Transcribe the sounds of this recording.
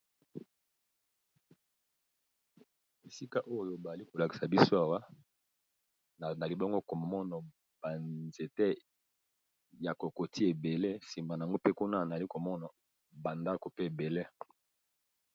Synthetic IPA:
e˨si˦ka˦ʔo˦jo˦ba˨a˨li˦ko˨la˨ki˨sa˨bi˦so˦a˨wa˦˨ | na˨li˨bɔ˦ŋɡo˦ko˨m˨mɔ˦na˨ | b̥a˨nze˨te˦ | ja˨ko˨ko˨ti˦e˨be˨le˦si˨mba˨na˨a˨ŋɡo˦pe˦ku˦na˦˨na˨li˦ko˨mɔ˦na˨ | ba˨nda˦ko˨pe˦e˨be˨le˦

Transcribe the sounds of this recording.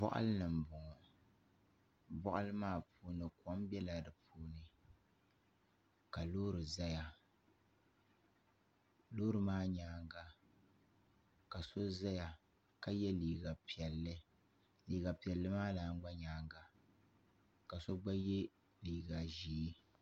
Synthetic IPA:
bɔ̰˦ʔa̰˦lɨ˦nɨ˨m̩˨bʊ˨ŋɔ˨ | bɔ˦ʔa˦lɨ˦maː˦˨pʰuː˦nɨ˨kɔ˦m˦bɛ˦la˨dɨ˨pʰuː˦nɨ˨ | ka˨loː˦ɾɨ˨za˦ja˨ | loː˦ɾɨ˨maː˦ɲaː˦ŋɡa˦ | ka˨so˦za˦ja˨ | ka˦jɛ˦liː˨ɡa˨pi˨ɛ˨lːɨ˦ | liː˨ɡa˨pi˨ɛ˨lːɨ˦maː˦laː˨˦˨ŋ˦ɡ͡ba˦ɲaː˦ŋɡa˨ | ka˨so˦ɡ͡ba˦jɛ˦ | liː˨ɡa˨ʒi˨˦

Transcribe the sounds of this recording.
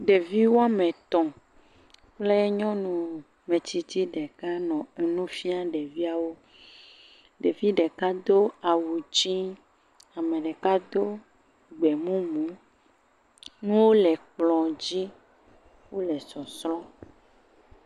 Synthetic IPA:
ɖe˨vi˦wo˦a˦mɛ̃˨t̪ɔ̃˨ | k͡ple˦ɲɔ̃˦nũ˨ | mẽ˨t̪i˨t̪i˦ɖɛ˨ka˦nɔ̃˨ɛ˨nũ˦fi˦a˦ɖɛ˨vi˦a˦wo˦ | ɖe˨vi˦ɖɛ˨ka˦d̪o˦a˨wu˨d͡ʒi˦ | a˨mɛ̃˨ɖɛ˨ka˦d̪o˦ | ɡ͡bɛ˨mũ˦mũ˨˦ | nũ˦wo˦lɛ˨k͡plɔ̃˨d͡ʑi˦ | wo˦lɛ˨sɔ˨slɔ̃˦

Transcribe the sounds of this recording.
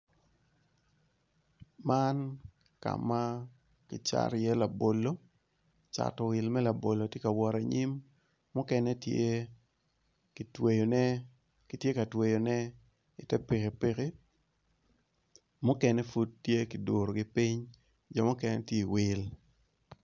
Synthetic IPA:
ma˦n | ka̰˨ma˦ | kɪ˨t͡ʃa̰˨ɾjɛ˦la˨bo˨lo˦ | t͡ʃa̰˨tɔ˨wɪ˨lmɛ˦la˨bo˨lo˨tje˦ka˨wɔ˨ɾa˨ɲi˦mː | ʊ˦kɛ˦nɛ˦tje˦ | ktwe˨jo˨nɛ˦ | ki˨tje˦ka˨twe˨jo˨nɛ˦ | ɪ˨tɛ˦pi˨ke˨pe˦ke˦ | mʊ˦kɛ˦nɛ˦fu˦ttːje˦ki˨do˨ɾo˨ɡɪ˦pi˦ɲ | d͡ʒɔ˨mɔ˦kɛ˦nɛ˦tje˦i˨wɪ˦l

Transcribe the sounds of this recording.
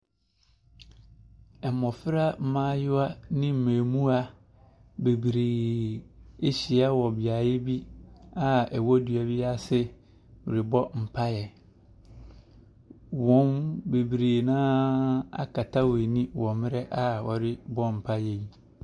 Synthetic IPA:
ɛ˨mɔ˨fɪ˦ɾa˦m̩˦mãː˦jʊ˦a˦nɪ̃˦m̩˨mẽː˨mũ˦a˦ | be˨bɾeː˨ | e˦ɕi˨a˦wɔ˨bɪ˨a˨jɛ˦bi˦a˦ɛ˨wɔ˦du˨a˨bɪ˦a˦sɪ˦ | wʊ˨ɾɪ˨bɔ˦m̩˨pʰa˦jɛ˨ | wɔ̃˦nbe˨bɾeː˨nãː˦a̰˦kʰa˨tʰa˦we˨nĩ˦wɔ˨mɪ̃˦ɾɛ˦ʔa˨wɔ˨ɾɪ˦bɔ˦m̩˨pʰa˦jɛ˨ji˨˦

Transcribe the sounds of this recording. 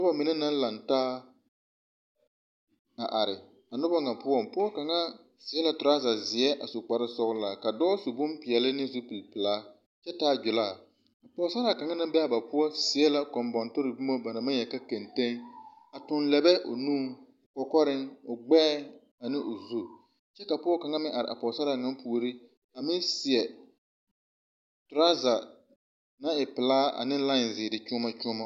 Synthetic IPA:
nʊ˦ba˦mɪ˨nɛ˦na˦n˦la˨ntaː˦ | a˨ʔa˨ɾɪ˨ | a˨nʊ˦ba˦ŋa˨pʊ˦ɔ˦mpʊ˦ɔ˦ka˨ŋa˦ | sɪ˨˦ɛ˦la˨tʊ˨ɾa˦za˨zɪ˨ɛ˦ʔa˨sʊ˨k͡pa˨ɾɪ˦sɔ˦ɣʊ˦la˨ka˨dɔː˦su˨bʊ˦mpɪ˨ɛ˨lɪ˦nɪ˦zu˦pi˨lpɪ˨laː˦ | t͡ʃɛ˦taː˦˨d͡ʒʊ˨laː˦˨ | a˨pɔ˨˦sa˦ɾa˨ka˨ŋa˦na˦m˦bɛ˦a˨ba˨pʊ˦ɔ˦sɪ˨ɛ˦la˨kɔ˨mbɔ˨ntʊ˦ɾɪ˨bu˦mo˦ba˨na˨ma˦jɛ˨ka˦ke˨nte˦ŋ | a˨tʊ˨nlɛ˨bɛ˦ʔʊ̰˨nũː˦˨ | kɔ˨kɔ˦ɾɪ˦ŋʊ˨ɡ͡bɛː˦ | a˨nɪ˦ʔʊ˨zu˦ | t͡ʃɛ˦ka˨pʊ˦ɔ˦ka˨ŋa˦mɪ˦ʔa˨ɾɪ̰˨a̰˨pɔ˨sa˦ɾa˨ŋa˦mpu˨ɾi˦ | a˨mɪ˦nsɪ˨ɛ˨ | tɾa˦za˨ | na˦ɪ˨pɪ˨laː˦a̰˨nɪ˦la˦ɪ˨nzɪ˨dɪ˨t͡ʃʊ˦ma˦t͡ʃʊ˦ma˦

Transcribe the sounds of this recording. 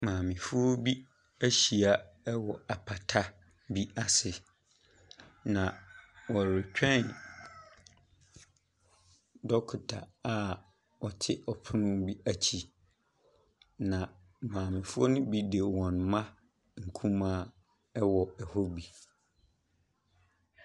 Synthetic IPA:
mãː˨mɪ̃˨fu˦ɔ˦bi˦ | æ˦ɕi˨a˨ | ɛ˦wɔ˨a˨pʰa˨tʰa˦ | bi˦a˨sɪ˨ | nã˨wɔ˨ɾɪ˨t͡ɕᶣɛ̃˦n | dɔ˦kʰʊ˨tʰa˨a˦˨ | ɔ˨tʰɪ˦ʔɔ˨pʰʊ˦nʊ̃˦bi˦a˨t͡ɕʰi˨ | nã˨ | mãː˨mɪ̃˨fu˦ɔ˦nʊ̃˦bi˦de˨wɔ̃˨n˨mã˦ | ŋ̩˨kʰũ˦mã˦˨˦ | ɛ˦wɔ˨ɛ˨hɔ˦bi˨

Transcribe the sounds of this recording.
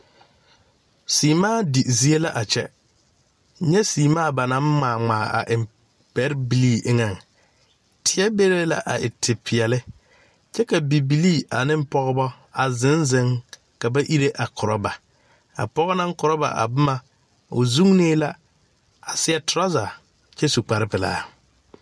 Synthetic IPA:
siː˨maː˦˨di˨zi˦e˦la˦ʔa˨t͡ʃɛ̰˦ | ɲɛ˦siː˨maː˦˨ba˨nã˦m˦maː˨ŋ͡maː˨ʔa̰˨ʔɪ˨m | pɛ˦ɾbi˨liː˦˨ʔɪ˦ŋa˨ŋ | tʰɪ˨˦ɛ˦be˦ɾe˦la̰˨ʔa˨ʔɪ˨tʰɪ˨pʰɪ˨ɛ˨lɪ˦ | t͡ʃɛ˦ka˨bi˨bi˨liː˦˨ʔa˨nɪ˦m̩˦pɔ˦ɣɔ˦bɔ˦ | a˨zɪ˦nzɪ˨˦ŋ | ka˨ba˦ʔi˦ɾe˦ʔa˨kʰʊ˨ɾɔ˦ba˨ | a̰˨pɔ˦ɣɔ˦na˦ŋ˦kʊ˨ɾɔ˦ba̰˨ʔa̰˨bʊ˦ma˨ | ʊ˨zu˦ŋneː˦la˦ | a˨sɪ˦ɛ˦tʊ˨ɾa˦za˨ | t͡ʃɛ˦su˨k͡pa˨ɾɪ˦pɪ˨la̰ː˦

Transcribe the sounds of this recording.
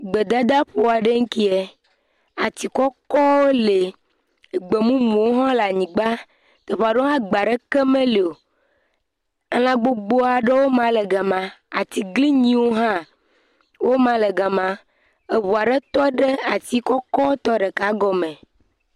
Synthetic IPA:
ɡ͡be˨d̪a˦d̪a˦ɸo˦a˨ɖe˦ŋ̩˦ki˦e˨ | a˨t̪i˨kɔ˦kɔ˦wo˦le˨ | ɡ͡be˨mũ˦mũ˨wo˦ɦɔ̃˦la˨ɲĩ˨ɡ͡ba˦ | t̪e˨ɸa˨ɖo˦ɦã˦ɡ͡ba˨ɖe˦ke˦mẽ˦le˨o˨˦ | lã˦ɡ͡bo˦ɡ͡bo˦a˨ɖe˦wo˦mã˦le˨ɡa˨mã˨a˨t̪i˨ɡli˦ɲĩ˦wo˦ɦã˦ | wo˦mã˦le˨ɡa˨mã˦ | e˨βu˨a˨ɖe˦t̪ɔ˦ɖe˦a˨t̪i˦kɔ˦kɔ˦wo˦t̪ɔ˦ɖe˨ka˨˦ɡɔ˦mẽ˨

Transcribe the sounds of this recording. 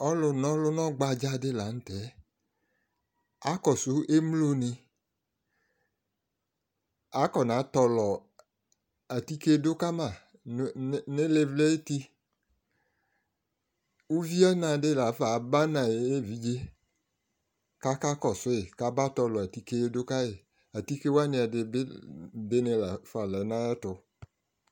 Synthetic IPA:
ɔ˦lʊ˧nɔ̃˦lʊ˦nɔ̃˦ɡ͡ba˧d͡ʒa˦dɪ˦˨la˨˦n̩˦tɛ˨˦ | a˨˦kɔ˨sʊ˨˦ʔe˦mlo˦nɪ˧ | a˨˦kɔ˨nã˨˦tɔ˧lɔ˨ | ɛ˨ti˦ke˦do˦ka˦mã˨˦ | ne˦le˧vle˦e˦t̪i˦ | u˦vi˦a˦nã˨dɪ˦la˨˦fa˨ba˦nã˨je˦˨vi˨d͡ʒe˦ | ka˦ka˦kɔ˨sʊ˦ɪ˨ka˨˦ba˦tɔ˧lɔ˨a˨ti˨ke˦do˦ka˦ɪ˨ | a˨ti˦ke˦wa˦nɪ̃˨˦a˨dɪ˧˦bɪ˦dɪ˦nɪ˦la˨fa˨lɛ˨˦nã˦ɛ˦tʊ˨

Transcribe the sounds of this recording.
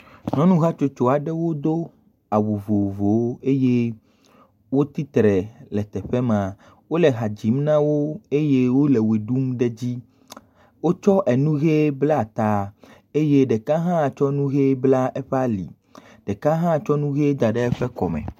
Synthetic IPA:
nɔ̃˦nũ˦ɦa˦t͡ʃo˨t͡ʃo˨a˨ɖɛ˦wo˦d̪o˦ | a˨wu˨vo˨vo˨˦e˦je˦ | wo˦t̪i˦t̪ɾɛ˨lɛ˨t̪ɛ˨ɸɛ˦mã˨ | wo˦lɛ˨ɦa˨d͡ʑi˨˦mnã˦wo˦e˦je˦wo˦le˨we˨ɖu˦mɖe˦d͡ʑi˦ | wo˦t͡ʃɔ˦ʔɛ˨nũ˦ɣe˦bla˦˨t̪a˨ | e˦je˦ɖɛ˨kã˦ɦã˦˨t͡ʃɔ˦nũ˦ɣe˦bla˦ʔɛ˦ɸa˦lḭ˨ | ɖ̥ɛ˨kã˦ɦã˦˨t͡ʃɔ˦nũ˦ɣe˦d̪a˨ɖɛ˦ɛ˦ɸɛ˦kɔ̰˨mɛ̰̃˨

